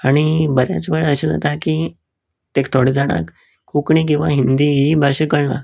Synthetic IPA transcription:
aɽ̃ibəɾja̰t͡sbəɭəɕid͡za̰t̪akiː | t̪ekt̪ʰoɽed͡zaɽ̃a̰k | kʰːukɳik̬ĩw̃ʋaɦind̪iibʱaɕəkəɭɳa̰

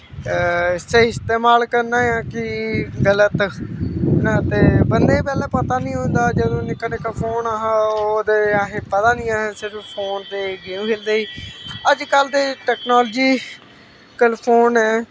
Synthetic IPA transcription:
ɪseːɪst̪eːmaːlkəɾnaːjãːkɪɡələt̪ | nat̪eːbənd̪eːpɛːlɛːpət̪aːnĩːɦʊ̃nd̪aːd͡ʒəd̪õːnɪkəneːkapʰoːnaɦãoːd̪eːaɦẽːpət̪aːnĩːaːɦãːsɪɾpʰoːnt̪eːɡẽːɦeːld̪eːiːəd͡ʒkəld̪eːʈɛːknaːld͡ʒiː | kəlpʰoːnɛː

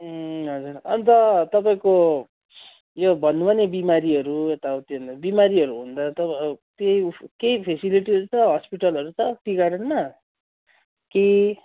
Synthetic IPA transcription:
ɦʌd͡zurʌnt̪ʌt̪ʌpaĩko | jobʱʌnːubʱʌnebimaɾiʌɾuet̪aut̪end̪bimaɾiɦʌɾuɦund̪ʌt̪ʌt̪ejkejpʰesiliʈiʌɾut͡sʰʌɦʌspiʈʌlʌɾut͡sʰʌpiɡaɽʌnma | ke

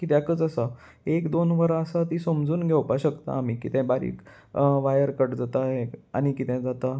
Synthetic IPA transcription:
kit̪jakət͡sasa | ekd̪onʋəɾəsat̪isomd͡zuːnɡʱewpaɕəkt̪a̰ːm̤ikit̪ɛ̃baɾḭːk | ʋajəɾkəʈd͡zat̪aɦea̰ñikit̪ɛ̃d͡zat̪a

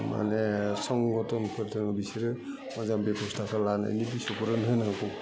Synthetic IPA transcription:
ma̰nesɔŋɡɔtʰɔnpʰɯɾtʰɯnɯbisiɾɯ | mɔzambepʰɔstʰakʰalana̰jnibisɔpɯɾɯnɦɯnaŋkʰu

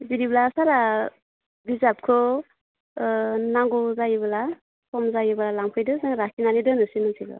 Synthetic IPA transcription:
zidiblasaɾa | bizap̚kʰɔ | naŋɡuzajebala | kɔmzajɯbalalaŋpʰɯjdɯzaŋɾakʰinanidɯnɯsinɯnsʰiɡɯ̰

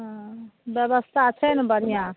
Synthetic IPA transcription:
ɦbjəbəst̪ʰat͡ʃʰənbəɾijã

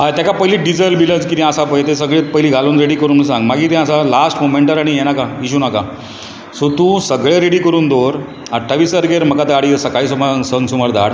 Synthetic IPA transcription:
ɦajt̪jakapəɦiliːɖid͡zəlbilət͡skit̪ɛ̃asapəjet̪esəɡɭet̪pəɦiliːɡʱaluːnɾeɽiːkəɾuːnsãŋɡmaɡiːt̪ɛ̃əsalasʈmomeɳʈəɾaɽ̃ijeñakaiɕunaka | sot̪ũsəɡɭeɾeɽikəɾuːnd̪oɾ | əʈʰːaʋiːsəɾɡeɾm̤əkat̪aɽisəkaisuməaŋsəŋɡsuməɾd̪a̰ɽ

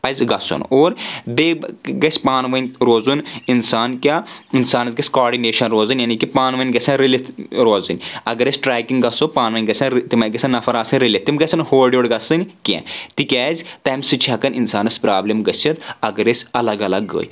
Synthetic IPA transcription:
pɐzʲɡɐso̰noːɾbeɡɐsʲpaːnʋɐnʲɾoːzuninsaːnkʲaːinsaːnɐzɡɐsʲkoːɾɖineːʃɐnɾoːzɨnʲjanikipaːnʋɐnʲɡɐsʲɐnɾilit̪ɾoːzɨnʲɐɡɐɾɐsʲʈɾaːkiŋɡɐsopaːnʋɐnʲɡɐsʲɐnt̪imɐnɡɐsʰʲɐnːɐfɐɾaːsɨnʲɾilʲet̪ːimɡɐsʲɐnhoːɖʲjoːɽɡɐsɨnʲkʲḛ̃ːt̪ikʲɛːzʲt̪ɐːmsɨt͡ʃʰɐkɐnʲinsaːnɐsʲpɾaːblʲɐmɡɐsʲit̪ɐɡɐɾesʲɐlɐɡɐlɐɡːə̰ːj

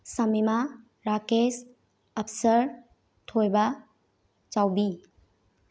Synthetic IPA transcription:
səmima | ɾakes | əpʰsəɾ | t̪ʰojba | t͡ʃawbi

